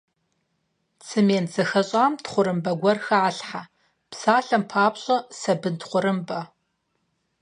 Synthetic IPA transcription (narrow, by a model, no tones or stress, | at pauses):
t͡sʰɨmeːnzɐxɐɕʼaːmtχʷʊɾɨmbɐɡʷɔrxɐʕaɬħa | psaːɬɐmpʰaːpɕʼɐsɐbɨntχʷʊɾɨmbɐ